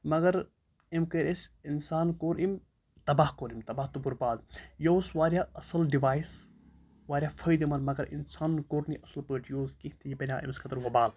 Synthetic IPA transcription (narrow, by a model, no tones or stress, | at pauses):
mɐɡɐɾ | imkəɾʲʔesinsaːnkoːɾim | t̪ɐbaːhkoːɾimt̪ɐbaːht̪ubuɾpaːd̪jowsʋaːɾʲjaɐsɐlɖiʋaːjis | ʋaːɾʲaːfʰɐjd̪imɐɾmɐɡɐɾḭnsaːnkoːɾniʔɐsɐlpəʈʰjoːzkit̪ijipɐnʲaːʔḭmskʰɐt̪ɐɾʋɐbaːl